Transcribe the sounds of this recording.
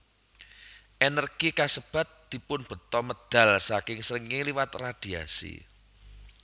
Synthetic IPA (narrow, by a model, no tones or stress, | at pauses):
ʔenərɡ̥ikasəb̥a̤t̪̚d̪̥i̤pʊnb̥ə̤t̪ɔməd̪̥a̤lsakɪŋsəɾəŋeliwat̪rad̪̥i̤asḭ